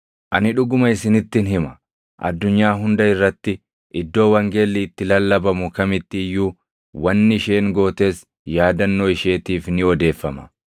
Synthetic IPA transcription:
ʔɐnɪᶑʊɡʊmɐɪsɪnɪt̪ːɪnɦɪmɐ̥ | ʔɐ̰d̪ːʊɲːaːɦʊnd̪ɐɪrːɐt̪ːɪ | ʔɪd̪ːo̞ːwɐŋɡelːiːt̪ːɪlɐlːɐbɐmʊkɐmɪt̪ːɪɪjːuː | wɐnːɪɪʃe̞ːŋɡo̞ːt̪e̞ːs | jaːd̪ɐnːoːɪʃe̞ːt̪iːfnɪɔd̪e̞ːfːɐmɐ

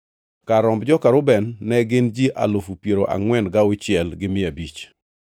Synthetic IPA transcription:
kaɾɔmbd͡ʒɔkaɾʊbɛnːɛɡɪnd͡ʒiʔa̰lofupjeɾoʔa̰ŋwɛnɡawʊt͡ʃɪɛlɡɪmɪabit͡ʃ

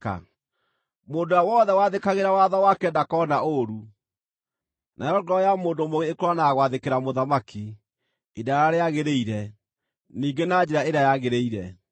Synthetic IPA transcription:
a̰ | moːndojawɔðɛwaðekaɣeɾawaðɔwakɛndakɔnaoɾu | nʔajɔɡɔjamoːndomoɣeːkɾwanaɣwaðekeɾamoðamaki | edaaɾaɾeaɣeɾeiɾɛ | niːɡenad͡ʒɛɾaeɾeajaɣeɾeiɾɛ

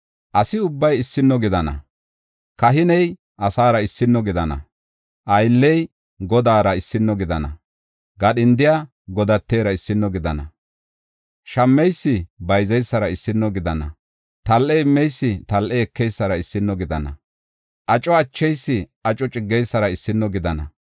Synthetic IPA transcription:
ʔɐsɪʊbːɐjɪsːɪnːɔɡɪd̪ɐnɐ̰ | kɐɦɪnɛj | ʔɐsaːɾɐɪsːɪnːɔɡɪd̪ɐnɐ̰ | ʔɐjlːɛj | ɡɔd̪aːɾɐɪsːɪnːɔɡɪd̪ɐnɐ̰ | ɡɐɗɪnd̪ɪja | ɡɔd̪ɐt̪ːeːɾɐɪsːɪnːɔɡɪd̪ɐnɐ̰ | ʃɐmːɛjsːɪbɐjzɛjsːɐɾɐɪsːɪnːɔɡɪd̪ɐnɐ̰ | t̪ɐlʔɛɪmːɛjsːɪt̪ɐlʔɛɛkːɛjsːɐɾɐɪsːɪnːɔɡɪd̪ɐnɐ̰ | ʔɐt͡ʃʼɔɐt͡ʃːɛjsːɪʔɐt͡ʃʼɔt͡ʃʼɪɡːɛjsːɐɾɐɪsːɪnːɔɡɪd̪ɐnɐ̰

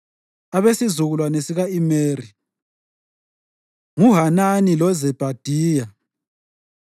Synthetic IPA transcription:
aβesizuɣulwanesiɣaimeːri | ŋuɦananilɔzɛb̥ʱad̥ʱiːja

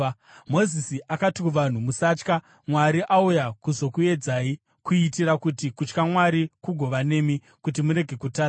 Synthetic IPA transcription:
mo̞zisiakatikuʋan̤umusaːt͡ʃka | mwaɾiʔaujakuzo̞kue̞d͡zaːi | kuitiɾakutikut͡ʃkamwaɾikuɡʱo̞ʋane̞mi | kutimuɾe̞ɡʱe̞kutaː

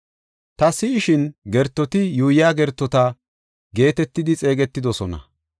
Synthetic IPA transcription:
t̪ɐsɪːʃɪnɡɛɾt̪ːɔt̪ɪjuːjaːɡɛɾt̪ːɔt̪ɐ | ɡe̞ːt̪ɛt̪ːɪd̪ɪt͡sʼe̞ːɡɛt̪ːɪd̪ɔsɔnɐ̰

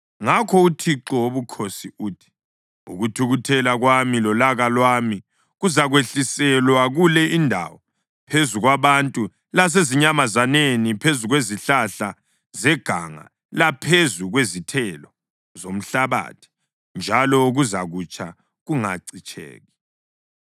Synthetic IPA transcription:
ŋakʰɔutʰiǁɔwoβukʰosiuːtʰi̥ | ṵɣutʰuɣutʰɛlaɣwamilɔlaɣalwami | ɣuzaɣweɬisɛlwaɣulɛʔindʱa̰wɔ | pʰezuɣwaβantʼu | las̬eziɲamazanenipʰezuɣweziɬaɬa | zɛɡ̥ʱa̰ŋa̰ | lapʰezuɣwezitʰɛlɔ | zom̩ɬaβa̰ːtʰi̥ | nd͡ʒʱalɔuɣuzaɣut͡ʃʰa̰ | ɣuŋaǀit͡ʃʰʼḛːɣi

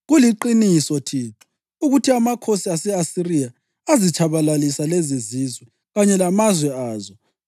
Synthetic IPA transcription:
ɣuliǃinisɔtʰiːǁu̥ | uɣutʰiamakʰosiasɛasirija | azit͡ʃʰʼaβalalisalɛzezizwɛ | ɣaɲɛlamazwɛaːzɔ

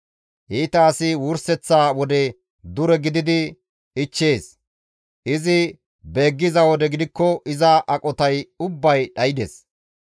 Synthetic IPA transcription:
ʔiːt̪ɐːsɪwʊɾsɛt͡sːaːwɔd̪ɛ | d̪ʊɾɛɡɪd̪ɪd̪ɪ | ɪt͡ʃːe̞ːs | ʔɪzɪ | be̞ːɡːɪzɐwɔd̪ɛɡɪd̪ɪkːɔʔɪzɐʔɐkʼɔt̪ɐjʊbːɐjɗɐjɪd̪ḛs

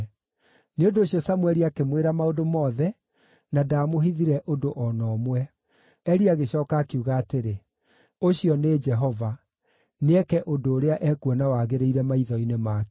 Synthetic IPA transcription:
neondoːɕiɔsamwɛɾiakemweɾamaodomɔːðɛ | nadaːmoɦiðiɾɛʔodoʔɔnɔːmwɛ | ɛɾiaɣeɕɔːkaːkeuɣaːteɾe | oɕjɔned͡ʒɛɦɔva | neɛkɛʔodoːɾeaʔɛkuɔnawaːɣeɾeiɾɛmaiðɔinemaːk

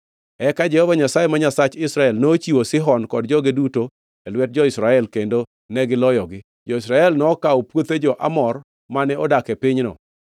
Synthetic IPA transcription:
ɛkad͡ʒɛhɔvaɲasajemaɲasat͡ʃɪsɾaɛlnoːt͡ʃiwosɪɦɔnkɔd̚d͡ʒɔɡiduto | elwɛt̚d͡ʒɔɪsɾaɛlkendo | nɛɡɪlɔjɔɡɪ | d͡ʒɔɪs̬ɾaɛlnɔːkaopwot̪ed͡ʒɔʔa̰mɔr | manɛɔdakɛpɪɲnɔ̰

